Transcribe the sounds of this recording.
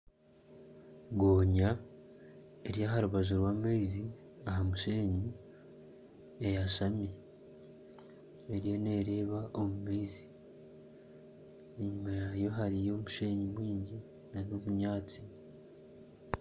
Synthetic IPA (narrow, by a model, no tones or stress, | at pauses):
ɡoːɲa | eɾijaɦaɾuβaʒaɾwameizi | aɦamuʃeːɲi | ejaʃame | eɾijo̞ne̞ːɾe̞ːβaʔomumeizi | eɲumajajo̞ɦaɾijo̞muʃe̞ːɲimwiːɲɟi | nanoβuɲaːt͡si̥